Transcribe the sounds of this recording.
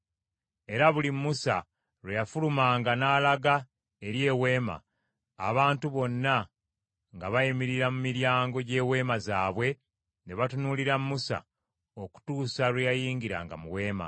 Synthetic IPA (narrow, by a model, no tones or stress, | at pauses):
e̞ɾaβulimːusa̰ | ɾwejafulumaːŋɡanaːlaɡa | eɾje̞ːwe̞ːma̰ː | βaːntuβo̞nːa | ŋɡaβajimiɾiɾamumiɾjaːŋɡo̞ɟe̞ːwe̞ːmazaːβwe̞ | neβatunuliɾamːusa̰ | o̞ku̥tuːsaɾejajiːŋɡiɾa̰ːŋɡa̰muwe̞ːma̰